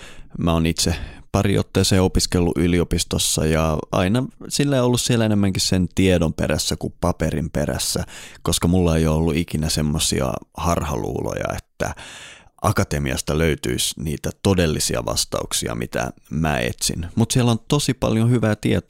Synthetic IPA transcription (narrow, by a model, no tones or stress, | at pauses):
mæonit̪sepɑrio̰t̪ːeːseːopiskelːuʔyliopist̪osːɑ̰jɑɑ̰inɑsilːeiolːussielæenemːæŋkissent̪iedompḛɾæsːækupɑperimperæ̰sːækoskɑmulːɑejoolːuikinæsemːosiɑ̰hɑrhɑlṵːlo̰jɑ̰et̪ːæʔɑkɑt̪emiɑ̰st̪ɑløyt̪yisniːt̪æt̪odelːisiɑʋɑ̰st̪ɑuksiɑ̰mit̪æ̰mæːḛt̪sḭnmut̪sielont̪osipɑ̰ljohyʋæːt̪iet̪